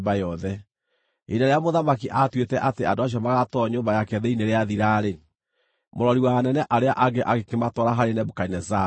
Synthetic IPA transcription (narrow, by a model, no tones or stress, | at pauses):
bajɔðɛ | enaɾeamoðamakiʔatwetɛʔateandoaɕ̬iɔmaɣatɔɲoːmbajakɛðeineɾeaðiɾaːɾe | moɾɔɾiwanɛnɛʔaɾeaʔaɡeʔaɣekematɔɾaɦaɾenɛbokainɛza